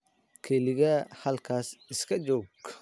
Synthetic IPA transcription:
kʰɛlɪɣɐhɐlkʰaːsɪskʰɐd͡ʒɔːɡ

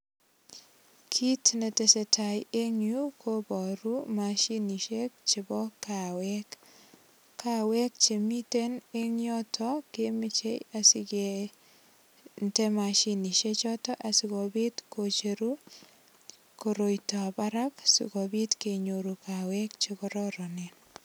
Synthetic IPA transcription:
kʰitnetesetʰajeŋukʰobɔɾumaʃiniʃek̚t͡ʃebɔkawɛk | kːawɛk̚t͡ʃemiteneɲjɔtʰɔkemɪt͡ʃejasɪke | ntemaʃiniʃet͡ʃɔtɔʔasɪkobitkot͡ʃeɾu | koɾojtɔbaɾaksɪ̰kɔbitkeɲoɾukawɛkt͡ʃekɔɾɔɾɔnen

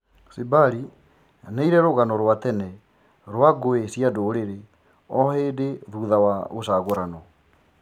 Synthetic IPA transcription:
sebaɾi | neiɾɛɾoɣanɔɾwat̪ɛnɛ | ɾwaɡoesjadoːɾeɾe | ɔheːdeðuðawaɣosaɣoɾanɔ

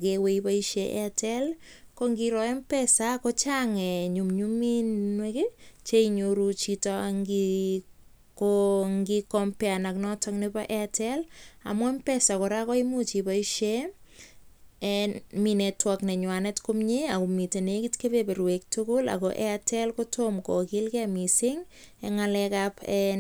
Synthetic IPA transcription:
akeweipaiʃeʔɛ̰atʰɛl | kɔŋɡiɾɔɛmpɛsakɔt͡ʃaŋɛɲumɲuminweket͡ʃeiɲoɾut͡ʃitɔŋɡi | kɔŋɡikɔmpɛanaknɔtʰɔknepaʔeatɛla̰mwɔmpɛsakɔɾakɔimut͡ʃipaiʃe | minetwɔknɛɲwanɛtkomɲeakumitenekitkepepeɾwek̚tukʊla̰kɔʔɛ̰atɛlkotomkɔkɪlkɛamisɪŋ | ɛŋalɛkapɛ

